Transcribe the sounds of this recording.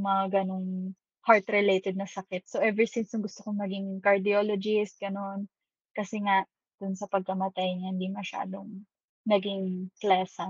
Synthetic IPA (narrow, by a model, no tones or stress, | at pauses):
mɐŋaɡɐno̞ŋ | haɹt̪ɾɛlejt̪ɛd̪̚nɐsɐkɪt̪̚soʔɛvɛɹsɪnsjʊŋɡʊst̪okoŋmɐɡiŋŋkɐɹd̪ɪoːlod͡ʒɪst̪̚ɡ̥ɐno̞n | kɐsɛŋaʔ | d̪̥ʊnsɐpɐɡ̚kɐmɐt̪ajɲahɪnd̪imɐʃa̰ːd̪oŋ | nɐɡɪŋklaːsɐ